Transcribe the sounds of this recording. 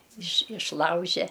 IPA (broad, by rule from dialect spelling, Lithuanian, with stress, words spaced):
ɪʃ ɪʃˈlˠɐʊʒʲɛ